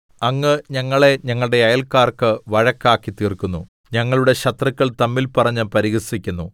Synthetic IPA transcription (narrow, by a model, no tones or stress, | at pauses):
ɐŋːɨɲɐŋːɐɭe̞ɲɐŋːɐɭɽe̞ɐjɐlkːaːrkɨʋɐɻɐkːaːkːit̪iːrkːunːu | ɲɐŋːɐɭuɽe̞ɕɐt̪rɐkʲːɐɭt̪ɐmːilpɐrɐɲːɨpɐɾiɣɐrsikʲːunːu